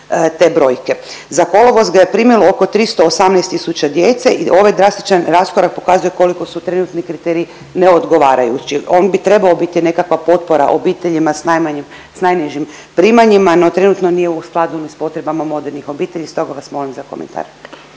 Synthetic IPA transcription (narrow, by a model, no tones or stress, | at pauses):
t̪e̞bɾo̞jke̞ | zako̞loʋo̞zɡaje̞pɾimilooko̞t̪ɾist̪oːsamnɛjst̪ːisut͡ɕad̪je̞t̪seʔiʔo̞ʋajd̪ɾast̪i̥t͡ʃanɾaskoɾak̚po̞kazuje̞ko̞liko̞sut̪ɾe̞nut̪nikɾit̪eɾii | neo̞d̪ɡo̞ʋaːɾajut͡ɕio̞nbit̪ɾe̞baobit̪ine̞kakʋapo̞t̪̚po̞ɾa̰ʔobit̪eʎimasnajmaɲim | snajniʒimpɾiːmaɲimano̞t̪ɾe̞nut̪no̞nije̞usklˠad̪unispo̞t̪ɾe̞bamamo̞d̪e̞ɾnixo̞biːt̪e̞ʎist̪o̞ɡaʋasmo̞limzako̞mḛnt̪ʰa̰ːɾ